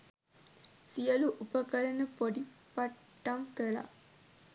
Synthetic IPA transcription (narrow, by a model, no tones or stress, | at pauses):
sijɐluʔupəkɐɾɐnəpoɖipɐʈːɐmkəɭa̰ʔ